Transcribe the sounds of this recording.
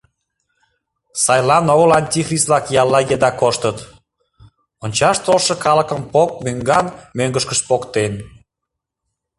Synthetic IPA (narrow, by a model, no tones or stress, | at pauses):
sɑjlɑnoɣəlɑnʲt̪ʲixrʲislɑkjɑlːɑjed̪ɑkoʃt̪ət̪ | onʲt͡ɕɑʃt̪olʃə̆kɑləkəmpok̚møŋɡɑnmøŋɡəʃkəʃpokt̪en